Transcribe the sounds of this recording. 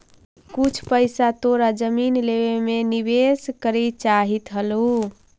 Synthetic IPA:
kut͡ʃʰpəjsat̪oɾad͡ʒəminleʋemenibeskəɾit͡ʃaɦit̪ɦəlu

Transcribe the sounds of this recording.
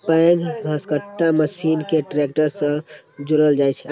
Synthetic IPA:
pəẽɡɡʱəskəʈːaməsinkeʈɾek̚ʈəɾsə̃ | d͡ʒuɾəld͡ʒajt͡ʃʰɛ

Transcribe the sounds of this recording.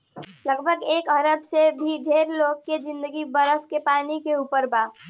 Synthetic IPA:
ləɡbʱəɡeːkəɾəbsebʱiɖʱeːɾloːkkːed͡ʒɪ̃nd̪əɡibəɾəpʰkepaːnikeupəɾbaː

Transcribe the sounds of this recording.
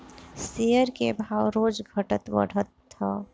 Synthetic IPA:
sejəɾkebʱaːwɾod͡ʒɡʱəʈət̪bə̰ɽ̤ət̪ːɔ

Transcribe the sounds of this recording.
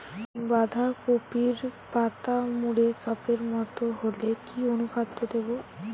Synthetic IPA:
bad̪ʱakopiɾpat̪amuɽekapeɾmɔt̪oɦolekionukat̪ːod̪ebo

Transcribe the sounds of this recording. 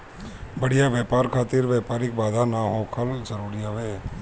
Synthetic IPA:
bəɽijaʋɛːpaːɾkʰaːt̪ɪɾʋɛːpaːɾɪk̚baːd̪ʱanaɦoːkʰəld͡ʒəɾuːɾiaʋeː

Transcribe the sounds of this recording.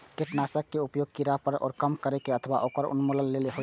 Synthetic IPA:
keʈnasəkːeupjoɡ̚kiɾapəɾɔ̰ːɾkəmkəɾekeət̪ʰəba̰ʔokəɾṵnmolənleleɦo

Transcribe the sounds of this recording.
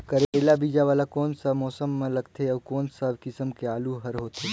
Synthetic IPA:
kəɾlabiːd͡ʒaʋaːlakɔːnsamɔːsəmːẽlɐɡt̪ʰeɐːkɔːnsabkɪsəmkeaːluɦɐɾɦoːt̪ʰeː

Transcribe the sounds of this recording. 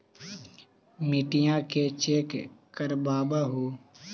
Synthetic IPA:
miʈɪjãːkeːt͡ʃeːkkəɾbaːbaːɦoː

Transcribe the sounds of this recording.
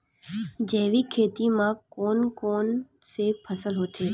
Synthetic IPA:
d͡ʒeːʋikʰeːt̪imãkoːnkon | sepʰəsəlɦot̪ʰe

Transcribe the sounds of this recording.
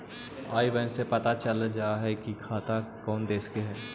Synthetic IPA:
aːibɛ̃nsepɐt̪at͡ʃəld͡ʒaːɦɛkikʰaːt̪akɔːnd̪eːskeɦɛː

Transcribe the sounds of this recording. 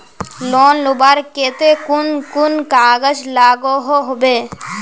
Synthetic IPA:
loːnlubaɾkeːt̪ekʊnkʊnkaːɡəd͡ʒlaːɡoɦoɦobeː

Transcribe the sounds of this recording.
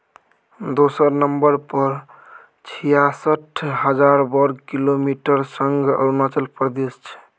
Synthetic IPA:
d̪osəɾnəmbəɾpəɾ | t͡ʃʰijasəʈʰɦəd͡ʒaɾbəɾɡkilomiʈəɾsəŋɡə̰ɾunat͡ʃəlpɾd̪est͡ʃʰɛ̥

